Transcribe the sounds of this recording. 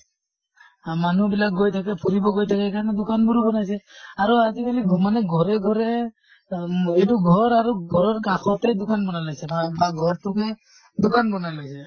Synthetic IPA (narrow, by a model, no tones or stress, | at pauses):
manubilak̚ɡojtʰakɛpʰuɹibɔɡojtʰakɛkaɹnɛdʊkanbuɾbɔnajsɛaɹuazikalimanɛɡʱɔɹɛɡʱɔɹɛ | etuɡʱɔɹaɹuɡʱɔɹɔɹkakʰɔtɛdʊkanbɔnalojsɛabaɡʱɔɹtʊkɛ | dʊkanbɔnajlojsɛ